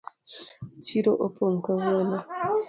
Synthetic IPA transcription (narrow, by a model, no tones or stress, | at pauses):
t͡ʃiɾoʔopoŋ̩kəwona